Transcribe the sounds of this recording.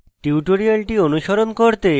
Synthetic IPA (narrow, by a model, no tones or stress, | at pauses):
ʈiwʈoɾialʈionuʃoɾonkoɾt̪e